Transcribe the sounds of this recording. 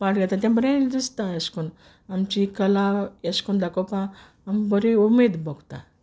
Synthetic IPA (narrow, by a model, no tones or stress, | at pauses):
paʈɡɛt̪at̪̬jãmbəɾẽd̪ist̪ãjəskun | amt͡ɕikəlajəskund̪akopãː | mbəɾeumed̪bɔɡt̪ã̰